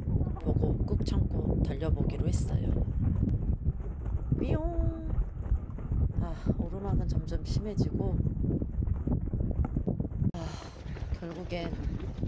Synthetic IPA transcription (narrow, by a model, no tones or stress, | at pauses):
poɡok͈uk̚t͡ɕʰaŋk͈otaʎːʌboɡiɾohe̞s͈ʌ̰jo̰ | pioŋ | aoɾomaɡɯnt͡ɕʌmd͡ʑʌmɕʰime̞d͡ʑiɡo | a | kjʌɭɡuɡen